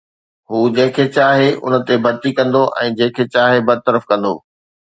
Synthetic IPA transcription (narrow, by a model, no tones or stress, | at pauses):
ɦuːd͡ʑɐ̃ɦɪ̃kʰeːt͡ɕaːɦeʔʊ̰nə̆t̪ebɐɾt̪ikɐ̃nd̪oʔɛ̰̃ːd͡ʑɐ̃ɦɪ̃kʰeːt͡ɕaːɦebɐd̪̚t̪əɾəfkɐ̃nd̪o̰ː